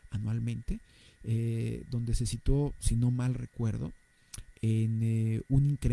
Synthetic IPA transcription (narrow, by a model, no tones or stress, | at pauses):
anwalmẽ̞nt̪e̞ | eðo̞nd̪e̞se̞sit̪wosino̞malre̞̰kwe̞ɾðo̞̰ | enuniŋkɾe